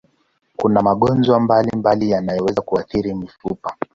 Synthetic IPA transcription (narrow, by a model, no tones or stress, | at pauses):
kunamaɠɔnzwambalimbalijanajɔwɛzakuaθiɾimifupḁ